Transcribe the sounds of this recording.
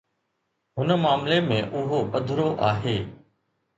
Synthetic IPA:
ɦʊnəmaːmlemẽːʔʊɦobəd̪ʱɾoʔaːɦeː

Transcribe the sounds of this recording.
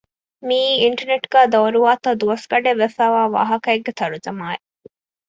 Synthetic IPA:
miːiɳʈɐɾneʈɡ̥æːd̪ɐwɾuʋaːt̪ɐd̪uʋɐsɡɐɖeʋːefæːʋaːʋa̰ːɦɐkɐeɡːet̪ɐɾud͡ʒɐmaːe

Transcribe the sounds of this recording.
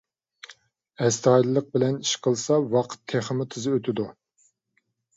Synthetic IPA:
ɛst̪ɑjlɨlˠəq̚bɪlɛniʃqʰəlˠsɑwɑqʰə̥t̪ʰːeχəmɪt̪ʰɨzɨøt̪ʰɪd̪u

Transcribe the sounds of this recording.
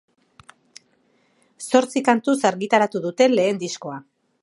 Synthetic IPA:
so̞ɾt͡sikant̪usaɾɣit̪aɾat̪uðut̪e̞nle̞ːnd̪isko̞a

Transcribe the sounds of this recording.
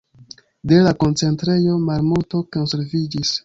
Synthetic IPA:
de̞lako̞nt͡se̞ntɾe̞jo̞malmulto̞ko̞nse̞ɾvid͡ʒis

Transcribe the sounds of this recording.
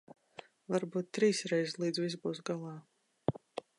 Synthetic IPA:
vaɾbuːt̪̚ːɾiːsɾɛjzslˠiːd̪zvis̬buːs̬ɡalˠɑː

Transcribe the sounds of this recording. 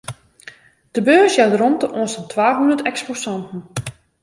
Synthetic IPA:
d̥əbøːsjawtrɔntəʔoənsətʰwaːɦundətɛksposɑntn̩

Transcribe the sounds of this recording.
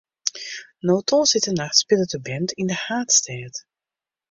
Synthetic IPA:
noːtʰɔlsɪtənaxtspɪlˠətəbɛntɪndəhaːtstɛːt

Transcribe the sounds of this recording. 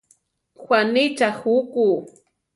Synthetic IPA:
xwanɪt͡ʃaxuku

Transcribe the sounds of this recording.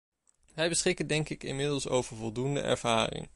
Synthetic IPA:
ʋɛjbəsχɪkəndɛŋkɪkɪ̰mɪdəlˠso̰wvəɹvɔlˠdundə̰ʔɛ̰ɹv̥aːrɪ̰ŋ

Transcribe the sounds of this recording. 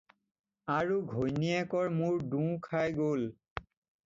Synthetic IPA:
aɹuɡʱojniɛkɔɹmuɹdũkʰajɡol

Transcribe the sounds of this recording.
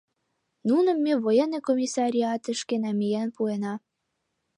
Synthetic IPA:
nunə̆mːeβojenekomʲisɑɾʲiɑt̪ə̆ʃkenæmijænpuenɑ

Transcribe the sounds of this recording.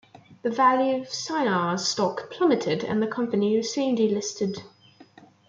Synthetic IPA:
ðəvæljʉəv̥saɪnɑz̥stɒkpʰl̥ʌmɨtʰɪdə̰̃nðəkʰʌ̃mpəniwz̥sĩmdilɪstɪd̥

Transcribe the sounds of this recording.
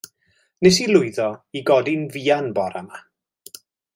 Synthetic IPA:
nɛsilˠʊɨðɔiɡɔdinviːanbɔɾama

